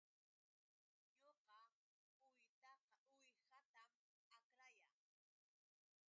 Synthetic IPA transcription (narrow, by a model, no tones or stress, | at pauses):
ɲoqɑ | ʊjt̪ɑqɑʊjhat̪am | akɾaja